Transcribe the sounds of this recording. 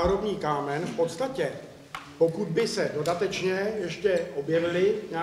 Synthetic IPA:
ɦɾobɲiːkaːmɛnfpo̞t̪st̪acɛ | po̞kud̪̚bɪsɛdo̞dat̪ɛt͡ʃɲɛjɛʃcɛʔo̞bjɛvɪlɪɲa

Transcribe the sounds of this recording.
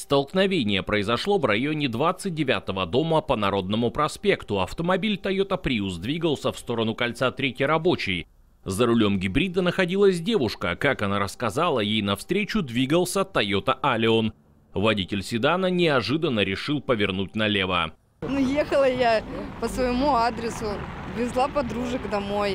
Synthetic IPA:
st̪əlˠknɐvʲenʲɪjəpɾəɪzɐʂlˠo̞vrɐjonʲɪd̪vat̪sɨt̚ʲdʲɪvʲat̪əvəd̪o̞məpənɐɾo̞d̪̚nəmʊpɾɐspʲe̞kt̪ʊɐft̪əmɐbʲilʲt̪ɐjot̪əpɾʲiusd̪vʲiɡəlˠsʲəfst̪o̞ɾənʊkɐlʲt̪sat̪ɾʲetʲəɾɐbo̞t͡ɕɪj | zəɾʊlʲo̞mɡʲɪbɾʲid̪ənəxɐdʲilˠəsʲdʲe̞vʊʂkəkakɐnaɾəskɐzalˠəjejnɐfst̪ɾʲet͡ɕʊd̪vʲiɡəlˠsʲət̪ɐjot̪əʔɐlʲɪo̞n | vɐdʲitʲɪlʲsʲɪd̪anənʲɪɐʐɨd̪ənːəɾʲɪʂɨlˠpəvʲɪrnutʲnɐlʲe̞və̰ | nujexəlˠəjapəsvəɪmuad̪ɾʲɪsʊvɾʲɪzlˠapɐd̪ɾuʐɨkd̪ɐmoj

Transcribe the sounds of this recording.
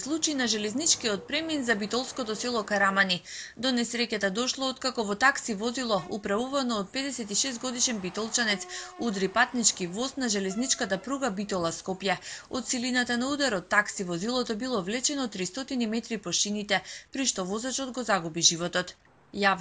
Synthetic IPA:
slˠut͡ʃinaʒɛlɛznit͡ʃkiɔt̪̚pɾɛminzabit̪ɔlˠskɔt̪ɔsɛlˠɔkaɾamanid̪ɔnɛsɾɛcat̪ad̪ɔʃlˠɔot̪kakɔvɔt̪aksivɔzilˠɔupɾavuvanɔːt̪̚pɛd̪ɛsɛt̪iʃɛst̪ɡɔd̪iʃɛnbit̪ɔlˠt͡ʃanɛt̪sud̪ɾipat̪nit͡ʃkivɔsnaʒɛlɛznit͡ʃkat̪apɾuɡabit̪ɔlˠaskɔpjɛot̪silinat̪anaud̪aɾɔt̪ːaksivɔzilˠɔt̪ɔbilˠɔvlɛt͡ʃɛnɔːt̪ːɾist̪ɔt̪inimɛt̪ɾipɔʃinit̪ɛpɾiʃt̪ɔvɔzat͡ʃɔd̪ɡɔzaɡubiʒivɔt̪ɔt̪ | jav

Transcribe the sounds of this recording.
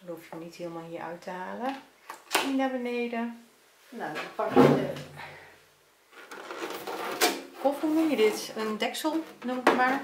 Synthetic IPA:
ruəfənithiːlˠmalˠɦiəɹœ̰ɥtʰəhaːlə | inabəneːdə | nafaktɛ | hofumɛjədɪtəndɛksəlˠnuməkmaɹ

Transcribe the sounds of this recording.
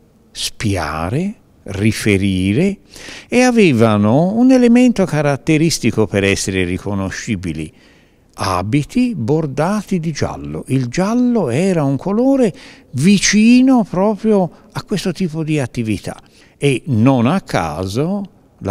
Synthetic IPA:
spja̰ːɾe | rifeɾiːɾeeavɛːvanounelement̪okaɾat̪ːeɾist̪ikopeɾɛsːeɾerikonoʃːiːbilḭ | a̰ːbit̪ʰibord̪aːt̪id̪id͡ʒa̰lːo̰ʔild͡ʒalːoɛːɾauŋkʰoloːɾe | vit͡ʃiːnopɾɔːpɾjo | akːwest̪ot̪iːpod̪iat̪ːivit̪ʰa̰ | enːonakʰːa̰ːzo | la

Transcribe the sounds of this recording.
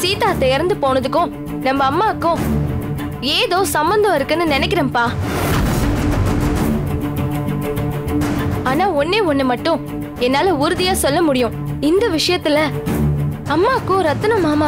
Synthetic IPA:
siːt̪aːt̪ɛjɐɾnd̪ɯpoːnɐðɯkːʊ̃ | nɐmbɐːmːaːkːʊ̃ | eːðoːsɐmbɐnd̪ɔ̃ɪɾɯkːɐnːɯnɪnɛkːɪɾɐ̃mpaː | aːnaːɔnːeːɔnːɯmɐʈːʊ̃ | ɛnːaːlɐʊɾɯðɪjaːsɔlːɐmʊɽɪjʊ̃ | ɪnd̪ɐʋɪʂɐjɐt̪ːɪlɐ | ɐmːaːkːʊ̃ɾɐt̪ːɐnɐ̃maːmaː

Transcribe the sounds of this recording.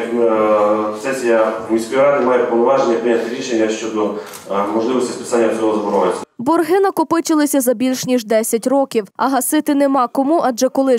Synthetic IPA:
sɛsʲjamʲisʲkʊjɑnʲmɑjepɔʋˠnɔʋɑʒenʲːɐpɾɪnʲat̪ʲɪɾʲiʃenʲjɐʃt͡ʃɔd̪ɔ | mɔʒlˠɪʋɔsʲtʲispɪ̥sanʲːɐt͡sʲɔɦɔzɐbɔɾɔʋɪt͡sʲːɐbɔrɦɪnɐkɔpɪt͡ʃɪlˠɪsʲɐzɐbʲilʲʃnʲiʒd̪ɛsʲɐtʲrɔkʲiwɐɦɐsɪt̪ɪnemɑkɔmuʔɐʒɛkɔlˠɪ

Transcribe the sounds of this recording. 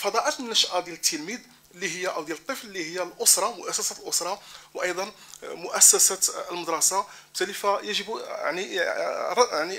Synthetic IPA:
fɑd̪ˤɑʔəmnːæʃʔæd̪jælət̪ːəlmid̪ | lːihəjːaʔəwd̪jælət̪ˤːəfllːihəjːalʔʊsɾˤɑmʊʔæsːæsælʔʊsɾˤɑwʔɑjd̪ˤɑnmʊʔæsːæsæt̪əlməd̪ɾˤɑsabt̪ːælifæjəʒəba̰ʕniˤ | ʕni

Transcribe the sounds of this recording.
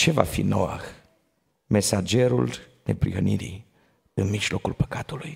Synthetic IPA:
t͡ʃe̞va̰fḭnoa̰x | me̞sad͡ʒe̞ɾul | ne̞̰pɾiɣəniɾḭ | ɨnmiʒlo̞kulpə̥kat̪uluj

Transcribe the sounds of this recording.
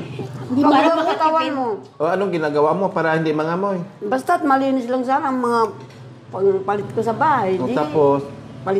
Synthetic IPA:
maɡakasat̪awanmoʔoanoŋɡɪnaɡawamopaɾahind̪iʔmaŋamojbas̬t̪at̪̚malinislaŋsanaŋmaŋa | paŋpalɪt̪̚kosabaajd͡ʒiapospalɪ

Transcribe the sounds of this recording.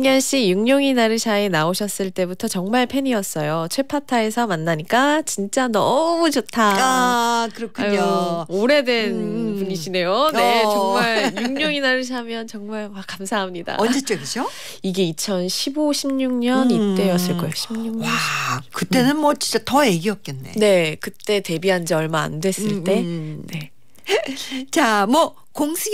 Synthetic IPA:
ɲʌnɕ͈ijuŋɲoŋinaɾɯɭɕainaoɕʰʌs͈ɯɭt͈e̞butʰʌt͡ɕʌŋmaɭpʰe̞ɲiʌs͈ʌjot͡ɕʰwe̞pʰatʰae̞sʰʌmanːaɲik͈at͡ɕint͡ɕ͈anʌmut͡ɕotʰaakɯɾʌkʰɯooɾe̞dwe̞npuɲiɕʰine̞jone̞t͡ɕʌŋmaɭjuŋɲoŋinaɾɯɭs̬ʰamjʌnt͡ɕʌŋmaɭwakamsʰaɦamɲida̰ʌnd͡ʑet͡ɕ͈oɡɯɕo | iɡe̞it͡ɕʰʌnɕʰiboɕʰimɲuŋɲʌnit͈e̞jʌs͈ɯɭk͈ʌjoɕʰimɲuŋɲwakɯt͈e̞nɯnmwʌt͡ɕint͡ɕ͈atʌje̞ɡiʌp̚k͈enːe̞̰ne̞kɯt͈e̞te̞biɦand͡ʑeʌɭmaa̰ndwe̞s͈ɯɭt͈e̞ne̞ | t͡ɕamwʌ | koŋsʰɯ

